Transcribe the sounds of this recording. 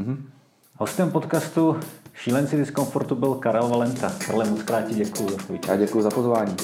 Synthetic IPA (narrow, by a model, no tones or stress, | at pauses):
ho̞st̪ɛmpot̪kast̪uʃiːlɛnt͡sɪdɪsko̞nfoɾt̪ubɪlkaɾɛlvalɛnt̪aka̰ɾlɛmot͡skɾaːt̪̚cɪɟɛkujuzaovia̰ɟɛkujuzapozvaːɲiː